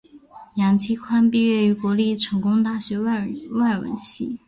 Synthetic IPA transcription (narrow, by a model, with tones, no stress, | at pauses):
jɑ˧˥ŋt͡ɕʰi˥kʰwa˥npi˥˧ɥɛ˥˩y˧˥kwɔ˧˥li˥˩ʈ͡ʂʰɤ˧˥ŋkʊ˥ŋt̪a˥˩ɕɥɛ˧˥˩wa˥˩ɪwə̰˧˥nɕi˥˩